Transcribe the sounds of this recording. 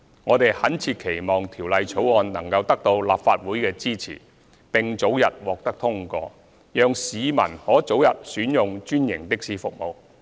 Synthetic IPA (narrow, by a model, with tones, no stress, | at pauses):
ŋɔː˨˧t̪e˨jhɐ˨˥nt͡sʰiː˧t̚kʰe˨˩jmɔː˨ŋt̪ʰiː˨˩wlɐ˨˧jt͡sʰo˨˥wɔː˨nnɐ˨˩ŋkɐ˧wt̪ɐ˥k̚t̪o˧wlaː˨pfaː˧t̚wuː˨˥jkɛː˧t͡siː˥t͡sʰḭː˨˩ | pɪ˨ŋt͡so˨˥wjɐ˨t̚wɔː˨k̚t̪ɐ˥k̚t̪ʰʊ˥ŋkɔ̰ː˧ | jœː˨˧ŋsiː˨˧mɐ̰˨˩nhɔː˨˥t͡so˨˥wjɐ˨t̚syː˨˥njʊ˨ŋt͡ʃyː˥njɪ̰˨˩ŋt̪ɪ˥k̚siː˨˥fʊ˨k̚mo˨w